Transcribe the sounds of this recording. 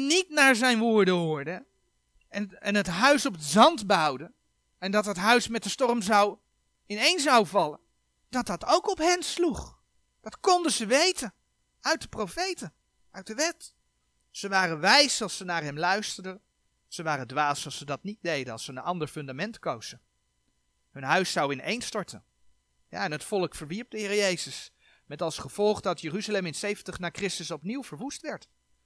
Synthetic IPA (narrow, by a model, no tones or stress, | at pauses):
nitnaːɹzɛjnʋʊːɹdəɦʊːɹdə | ɛnɛnətɦœɥsɔpətzɑndbɑwdə | ɛndɑtɦətɦœɥsmɛt̚dəstɔrmzɑw | ɪnejnzɑwvɑlən | d̥ɑt̚dɑtowkɔpɦɛnsluχ | d̥ɑtkɔndəzəʋejtən | œɥt̚dəprowfejtə | œɥt̚dəʋɛt | səʋaːrənʋɛjsɑlˠsənaːɹɦɛmlœɥstəɹdən | z̥əʋaːrədʋaːsɑlˠsədɑt̚nit̚dejdənɑlˠsəənʔɑndəɹfɵndamɛntkowz̥ə | ɦɵnɦœɥsːɑwɪnejnstɔɹtən | ja̰ːɛnɦətfɔlˠəkfəɹʋiɹp̚dəɦɪːrɾəjejzəs | mɛtɑlˠsχəv̥ɔlˠχdɑtjəryzalɛmɪnsejvəntəχnaːɹkrɪstəsɔpniwvəɹʋustʋɛɹt